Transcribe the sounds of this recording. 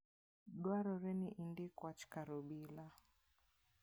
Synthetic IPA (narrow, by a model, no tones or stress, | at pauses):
ɗwaɾɔɾɛniʔindikwat͡ʃi̥kaɾɔɓila